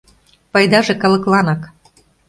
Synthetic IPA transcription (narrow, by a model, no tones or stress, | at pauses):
pɑjd̪ɑʒĕkɑlɤ̆klɑnɑk